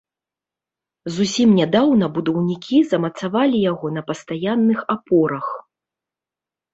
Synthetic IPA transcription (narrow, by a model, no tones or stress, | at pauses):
zusʲimnʲad̪awnɐbud̪ɐwnʲikʲʰizɐmɐt̪savalʲijaɣɔnɐpɐst̪ajanːɨxapɔɾɐx